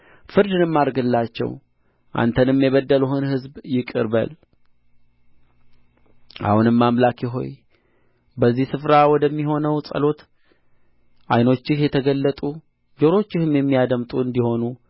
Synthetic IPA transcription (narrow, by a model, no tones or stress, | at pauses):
fɨɾd̪ɨnɨmːaɾɡɨlːat͡ʃːɛ̰w | ʔa̰nt̪ʰənɨmːjɛβəd̪ːəluɦɨnhɨzbjɪkʼɨɾbə̰l | ʔa̰hunɨmːamlakjɪɦo̞̰j | bəzːihsɨfɾawɔd̪əmːiɦo̞nəwsʼə̰lo̞t̪ | ʔa̰jno̞t͡ʃːɪhjɛt̪ʰəɡəlːət̪ʼu | d͡ʒo̞ɾo̞t͡ʃːɪhɨmjɛmːijad̪əmt̪ʼuɨnd̪iho̞nu